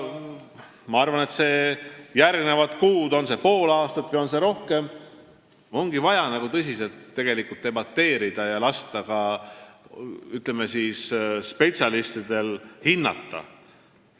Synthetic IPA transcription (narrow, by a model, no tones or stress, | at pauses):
mɑɑrvɑne̞t̪se̞ːjærɡne̞vɑt̪kuːd̪o̞nse̞po̞ːlɑːst̪ɑt̪vɨjo̞nse̞ɾo̞hke̞m | o̞ŋɡ̥ivɑjɑnɑɡ̥ut̪ɤsʲise̞lt̪ːe̞ɡ̥e̞likult̪ːe̞bɑt̪ːe̞ːɾid̪̥ɑjɑlɑst̪ɑkɑ | yt̪ˑlemesiːsspe̞t̪sʲiɑlist̪id̪̥e̞lhinːɑ̰t̪ːɑ̰